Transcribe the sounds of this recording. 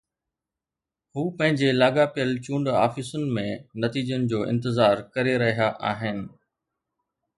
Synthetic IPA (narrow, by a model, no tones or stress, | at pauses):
huːpɐ̃ɦɪ̃ɲd͡ʑelaːɠapijəlt͡ɕũːɳɖa̰ːfɪsʊnɪ̆mẽnɐt̪iːd͡ʑənɪ̆d͡ʑoːʔɪ̰̃nt̪ɪzaːɾkɐɾeɾɐɦijaʔaːɦɪnɪ̆